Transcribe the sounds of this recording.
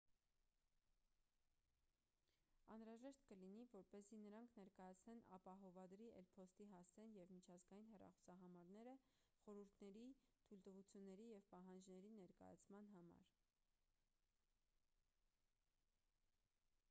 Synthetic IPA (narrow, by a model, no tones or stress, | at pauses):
ɑnɾɑʒɛʃt̪kəlinivɔɾpɛzinəɾɑŋkʰnɛɾkɑjɑt͡sʰnɛnɑ̰pɑɦɔvɑd̪ɾiʔɛ̰lpʰɔst̪iɦɑsɛnjɛvmit͡ʃʰɑzɡɑjinɦɛrɑ̰χɔ̥sɑɦɑmɑɾn̪ɛɾəχɔɾuɾt̪ʰnɛɾit̪ʰujlt̪əvut͡sʰjunːɛɾijɛvpɑɦɑnd͡ʒnɛɾinɛɾkɑ̰jɑ̰t͡sʰmɑn̪ɦɑmɑ̰ɾ